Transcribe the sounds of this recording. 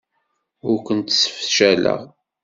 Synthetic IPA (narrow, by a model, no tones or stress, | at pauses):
ʊɾkʷənt̪sə̥fʃælə̰ʁ